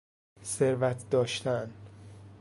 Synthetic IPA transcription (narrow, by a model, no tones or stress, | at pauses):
se̞ɾvæt̪ʰd̪ɒːʃt̪ʰæn